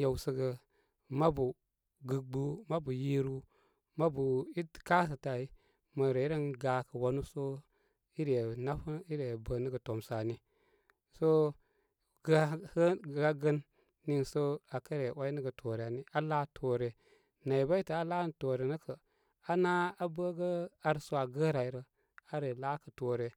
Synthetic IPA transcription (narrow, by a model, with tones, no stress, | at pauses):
ja˨wsə˦ɡə˨ | ma˦bu˨ | ɡɨ˨ɡ͡bu˦ma˦bu˨ji˦ɾu˦ | ma˦bu˨i˦ka˦s̬ə˨ta˨i˦ | mə˨ɾe˨i˦ɾə˦nɡa˨kə˨wa˨˦nu˦so˦ | i˦ɾe˨na˦fu˦i˦ɾe˨bə˨nə˦ɡə˨to˨msa˨ni˦ | so˦ | ɡhə˦ɡa˦ɡə˦nː | i˦nso˦a˨kə˦ɾe˨wa˦i˦nə˦ɡə˨tʰo˨ɾe˨a˨ni˦a˦la˦tʰo˨ɾe˨ | na˨i˨ba˦i˦tə˨a˦la˦n˦to˨ɾe˨nə˦kʰə˨ | a˦na˦a˦bə˦ɡə˦a˨ɾso˦a˨ɡə˦ɾa˨i˨˦ɾə˨ | a˦ɾe˨la˦kə˨to˨ɾe˨